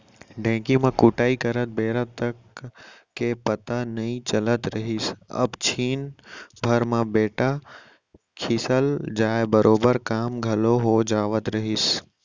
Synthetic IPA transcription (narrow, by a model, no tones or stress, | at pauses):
ɖʱɛ̃ːkimãkʊːʈaːikɐɾət̪̚beːɾət̪t̪əkː | epɐt̪anɐĩt͡ʃɐlət̪ɾɐɦisɐ̰bt͡ɕʰiːnbʱɐɾmãbeːʈa | kʰisəld͡ʒaːebɐɾʔoːbəɾkaːmɡʱɐloɦod͡ʒaːʋət̪ɾɐɦis